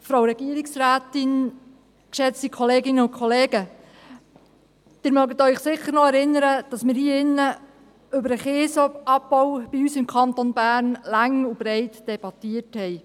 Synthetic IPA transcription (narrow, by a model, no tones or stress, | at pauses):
fɾawɾɛɡ̥iːəɾɪksræːt̪ɪn | kʃɛt͡stikʰoleːɡɪnəʊnkʰoleːɡə | d̥ɪɾmœɡətœʏχsɪχːəɾnɔɛɾɪnːəɾəd̥ɑsmɪːɾhiːɪnːə | ʏbəɾəχeːsɔɑpːɔwb̥iyːsɪmkʰɑnt̪onbæːɾnlæŋub̥ɾɛɪtd̥ɛb̥ɑt̪iəthɛɪ